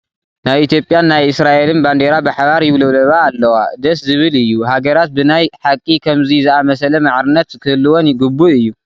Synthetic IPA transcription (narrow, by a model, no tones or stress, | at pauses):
najit̪jo̞pʼjanːajɨsɾaʔe̞lɨnband̪eɾabɨħaβaɾjɪβlɨβlɐβaːlːɐwad̪ɐszɨβɨlɨjːuhaɡɐɾat̪̚bɨnajħakʼikʰɐmzizɨamɐsɐlɐmaʕɾɨnːɐt̪kʰɨhɨlːɨwonɡɨbːuɨjːu